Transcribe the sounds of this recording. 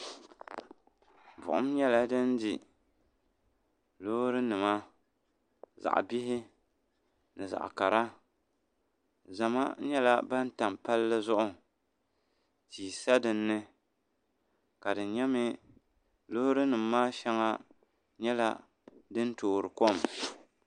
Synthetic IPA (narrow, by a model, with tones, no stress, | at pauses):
vʊ̰˨ʔʊ̰˦m˦ɲɛ˦la˦dɨ˦ndi˨ | loː˦ɾɨ˦nɨ˨ma˦ | za̰˨ʔbi˦ɦɪ˦ | nɨ˨za̰˨ʔka˨ɾa˦ | za˨ma̰˦ɲɛ˦la˦ba˦n˦ta˨mpa˦lːɨ˦zʊ˦ʔʊ˨ | tiː˨sa˦dɨ˨nːɨ˦ | ka˨dɨ˨n˦ɲɛ˦mɪ˦ | loː˦ɾɨ˦nɨ˨mːaː˦ʃɛ˦ŋa˦ | ɲɛ˦la˦ | dɨ˦n˦toː˨ɾɨ˨ko˦˨m